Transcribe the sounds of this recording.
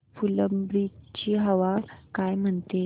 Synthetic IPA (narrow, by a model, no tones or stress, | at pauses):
fuləmbɾit͡ɕiːɦəʋakajm̤əɳt̪e